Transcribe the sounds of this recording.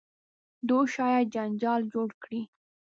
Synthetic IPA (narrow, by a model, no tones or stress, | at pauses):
d̪oʃɑjad̪̚d͡ʒand͡ʒɑld͡ʒoɽkɽi